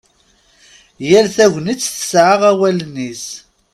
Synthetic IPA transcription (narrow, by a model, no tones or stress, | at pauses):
jælθæʝʷnit͡sːθə̥sʕaʁæwælənːis